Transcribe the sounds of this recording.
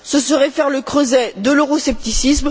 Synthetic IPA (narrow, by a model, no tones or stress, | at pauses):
səsəʁɛfɛʁləkχøzɛd̪əloʁɔsɛp̚t̪isism